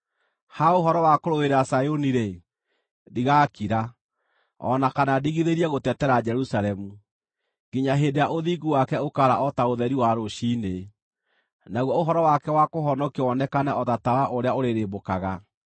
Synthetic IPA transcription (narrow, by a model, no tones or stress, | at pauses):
haoɦɔɾɔwakoɾoɣeɾasajoniɾe | diɣakiɾa | ɔ̰nakanadiɣiðeɾiɛɣotɛtɛɾad͡ʒɛɾusaɾɛmu | ɡiɲaɦendejaʔoðiɡuwakɛokaɾaʔɔtaoðɛɾiwaɾoʃiːne | naɣwɔoɦɔɾɔwakɛwakoɦɔnɔkeɔnɛkanɛʔɔtatawaʔoɾeaoɾeɾebokaɣa